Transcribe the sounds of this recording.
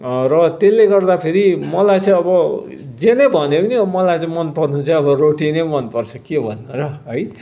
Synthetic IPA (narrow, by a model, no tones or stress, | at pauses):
rʌt̪elːeɡʌrd̪apʰeɾimʌlajt͡sʌ̃ĩʌbʌ | d͡zenʌbʱʌnebʌnimʌlajt͡sʌ̃ĩmʌnpʌrnut͡sʌ̃ʌbʌroʈinemʌnpʌrt͡sʰʌkebʱʌnːuɾʌɦʌj